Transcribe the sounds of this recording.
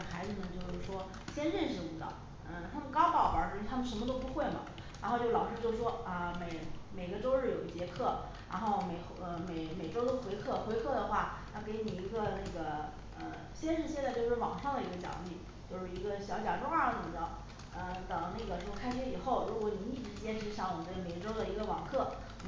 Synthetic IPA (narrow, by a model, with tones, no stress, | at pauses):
xa˧˥ɪd͡zɹ̩˧nə˨˩t͡ɕjo˥˧ʊʂɻ̩˥˩ʂwɔ˥ | ɕjɛ˥nɻə˥˩˧nʂɻ̩˧˩u˧˨˧t̪ə̰˨˦ | ə˧t̪ʰa˥mə˨nkɑ˥ʊp̪ɑ˥˩ʊwə̰˞˧˥ʂt̪ʰa˥mə˨nʂə˧˥mə˧t̪̬o˥ʊpu˧˥xwe˥˩ɪmɐ̰˩ | ɻa˧˥nxo˥˧ʊt͡ɕjo˥˩ʊlɑ˨˩ʊʂɻ̩˥t͡ɕjo˥˧ʊ˧ʂwɔ˥ə˧me˨˩ɪme˨˩ɪɡə˧ʈ͡ʂo˥ʊɻ̩˥˩jo˨˩ʊə˧t͡ɕjɛ˧˥kʰɤ˥˩ | ɻa̰˧˥nxo˥˩ʊme˨˩ɪxə˧˩me˨˩ɪme˨˩ɪʈ͡ʂo˥ʊt̪o˥ʊxwe˧˥ɪkʰɤ˥˩xwe˧˥ɪkʰɤ˥˩d̪ə˩xwa̰˥˩na˥˩ke˧˥ɪni˨˩i˧˥ɡə˧na˥˩ɪɡə˩ | ə̰˧˩ | ɕjɛ˥nʂɻ̩˥˧ɕjɛ˥˧nt͡sɪt͡ɕjo˧ʊʂɻ̩˥˩wɑ˨˩ŋʂɑ˥˩ŋd̪ə˩i˧˥ɡə˧t͡ɕjɑ̰˨˩˦ŋli˥˩ | t͡ɕjo˥˧ʊʂɻ̩˥˩i˧˥ɡə˧ɕjɑ˧˥ʊt͡ɕjɑ˨˩ʈ͡ʂo˥ʊa˞˥˩˧nə˨˩mə˧˩ə˥˩˦ | ə˧t̪ɤ˨˩ŋna˥˩ɡə˩t͡ɕo˥˧˩kʰa˥ɪʂɛ˧˥i˨˩xo˥˩ʊɻu˧˥kwɔ˧˥ni˨˧˥ni˥˩ʈ͡ʂɻ̩˧˥˧t͡ɕjɛ˥nʈ͡ʂʰɻ̩˧˥ɕjɑ˥˩ŋwɔ˨˩t͡sa˥˩ɪme˨˩ɪʈ͡ʂo˥ʊd̪ə˨i˧˥ɡə˧wɑ̰˨˩ŋkʰɤ˥˩